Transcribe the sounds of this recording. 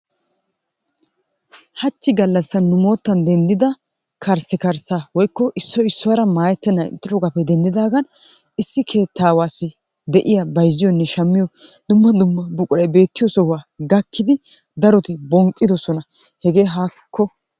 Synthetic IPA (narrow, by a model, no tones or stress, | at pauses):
hɐt͡ʃːɪɡɐlːɐsːɐnːʊmo̞ːt̪ːɐnd̪ɛnd̪ɪd̪ɐ | kʰɐɾsɪkɐɾsaːwɔjkːɔʔɪsːɔɪsːɔwɐɾɐmaːjɛt̪ːɛnːɐnɪ̰t̪ʼːɪɾɔɡɐpːɛd̪ɛnd̪ɪd̪aːɡɐn | ɪsːɪkʰe̞ːt̪ːaːwaːsːɪ | d̪ɛʔɪjɐbɐjzːɪjɔnːɛʃɐmːɪjɔd̪̥ʊmːɐd̪ʊmːɐbʊkʼʊɾɐjbe̞ːt̪ːɪjɔsɔhwaːɡɐkːɪd̪ɪ | d̪ɐɾɔt̪ɪbɔŋkʼːɪd̪ɔsɔnɐ | hɛɡe̞ːɦaːkʰːɔ